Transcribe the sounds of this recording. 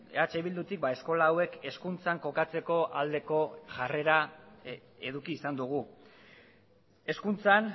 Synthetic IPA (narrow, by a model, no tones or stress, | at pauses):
at͡ʃeβild̪ut̪ik̚bae̞sko̞laːwe̞ke̞skunt͡saŋko̞kat͡se̞ko̞ʔald̪e̞ko̞ʝare̞ɾa | e̞ðukiːsand̪uɣ̞u | e̞skunt͡san